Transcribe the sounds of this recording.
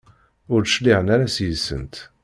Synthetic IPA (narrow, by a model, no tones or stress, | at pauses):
ʊɾʃliʁənaɾasjəsə̰nt̪